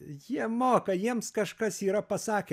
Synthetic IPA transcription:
jiɛmoːkɐjiɛmskɐʃkɐsiːɾɐpɐsɑːkʲe

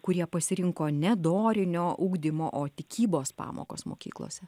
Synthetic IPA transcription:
kʊɾʲiɛpɐsʲɪɾʲɪŋkoːnʲɛd̪oːɾʲɪnʲoːʔuːɡd̪ʲɪmoːʔoːt̪ʲɪkʲiːboːspɑ̰ːmo̰ːko̰ːsmo̰ːkʲḭːklˠo̰ːsʲɛ

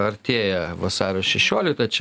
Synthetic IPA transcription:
ɐɾʲtt̪ʲeːjɛʋɐsɑːɾʲoːʃʲɛʃʲoːlʲɪk̚t̪ɐt͡ʃʲɛ

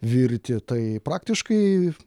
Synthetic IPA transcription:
ʋʲɪɾʲt̪ʲɪt̪ɐɪpɾɑːkt̪ʲɪʃkɐɪ

